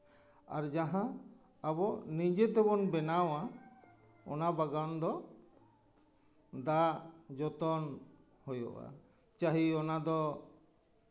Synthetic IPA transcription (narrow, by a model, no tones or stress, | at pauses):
a̰ɾd͡ʒaɦã | abɔnid͡ʒet̪ɛbɔnbɛnawa | ɔ̰nabaɡand̪ɔ | d̪aʔd͡ʒɔt̪ɔn | hɔjɔ̰ʔa̰ | t͡ʃaɦiɔnad̪ɔ